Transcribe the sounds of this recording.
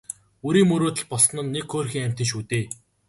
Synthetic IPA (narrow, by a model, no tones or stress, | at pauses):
ɵɾiːŋmɵɾoːt̪ə̆ɮpɔɮsɞ̆nə̆nːekxoːrxʲiːŋæm̥ʲt̪ĕŋʃ̬uːt̪eː